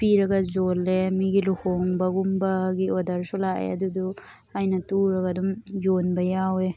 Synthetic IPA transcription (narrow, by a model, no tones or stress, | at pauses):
piɾɐɡɐzolemiɡiluhoŋbɐɡumbɐɡiodɐɾsulaḛɐ̰dudu | ajnɐtuɾɐɡɐdumzonbɐjawe